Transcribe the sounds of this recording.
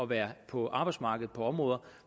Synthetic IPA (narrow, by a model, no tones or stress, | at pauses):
ɒ̽ʋæːɐpʰɒ̽ʔɑ̈ːb̥ɑ̈ɪdsmɑ̈ːɡ̥əð̩ˠpʰɒ̽ɒ̽mʁɔ̽ːðˠɐ